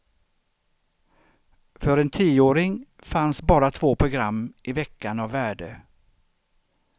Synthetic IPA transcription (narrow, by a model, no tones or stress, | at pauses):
fœɾɛnt̪ʰiːoːɾɪŋ | fansbɑːɾat̪ʰvoːpʰɾʊɡɾamːʔɪvɛkːanavːæːɖə